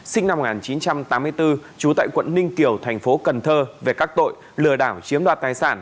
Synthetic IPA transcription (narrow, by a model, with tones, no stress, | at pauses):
sï˧ŋ̟na˧m̚ː˨˩ŋaː˨˩nt͡ɕi˨˦nt͡ɕa˧mt̪aː˨˦mːɨ˧əjt̪ɨ˧t͡ɕu˨˦t̪a̰ː˧˨jkwə̰˧˨nːï˧ŋki˨˧˩əwt̪ʰɛ˨˩ŋ̟fo˨˦kə˨˩nt̪ʰəː˧ve˨˩kaː˦˥k̚t̪o̰˧˨j | lɨ˨˩əɗaː˧˩wt͡ɕi˨˦əmɗwaː˨˩t̚t̪aː˨˧˩jsaː˧˩n